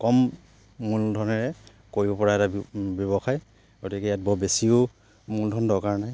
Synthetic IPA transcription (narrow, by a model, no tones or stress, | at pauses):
kɔmː | uldʱɔnɔɹɛ | koɹibɔpɔɹaɛtabjɔβɔxaj | ɡotikɛjat̚bɔbesio | muldʱɔndɔkaɹnaj